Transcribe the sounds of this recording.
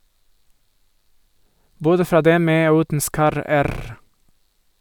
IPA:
ˈboːdə ˈfɾɑː ˈdɛm ˈmeː ˈoː ˈʉːtn̩ ˈskɑɾəˌæɾ

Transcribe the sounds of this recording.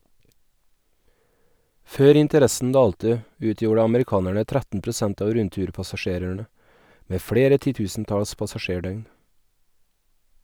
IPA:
ˈføːɾ ɪntəˈɾɛsn̩ ˈdɑːltə ˈʉːtjuːɽə ɑməɾɪˈkɑːnæɳə ˈtɾætn̩ pɾʊˈsænt ˈɑːʋ ˈɾʉntʉːɾpɑsɑˌʃeːɾəɳə ˈmeː ˈfɽeːɾə tɪˈtʉːsn̩ˌtɑls pɑsɑˈʃeːˌɖœʏn

